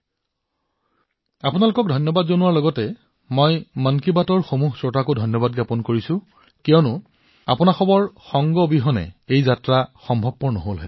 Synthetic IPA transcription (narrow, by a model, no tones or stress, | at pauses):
apʊnalʊkɔk̚dʱɔjnjɔbadzonʊwaɹlɔɡɔtɛ | mɔjmankibatɔɹxomuɦsɔtakodʱɔjnjɔbad̚ɡapɔnkoɹisʊ̃ | kiɔnʊ | a̰pʊnaxɔbɔɹxɔŋɡɔbiɦɔnɛ̰ejzatɹaxɔmbʱɔb̚pɔɹnɔɦolɦɛ̰